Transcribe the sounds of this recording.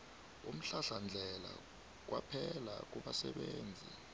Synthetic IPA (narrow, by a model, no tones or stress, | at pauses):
um̩ɬaɬand͡ɮʱɛla̰ | k̬wʔapʰɛlak̬uɓasɛ̰ɓeːnd͡zʱi